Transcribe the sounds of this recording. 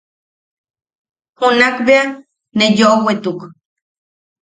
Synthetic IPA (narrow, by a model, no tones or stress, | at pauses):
hunakbea | nejowet̪uk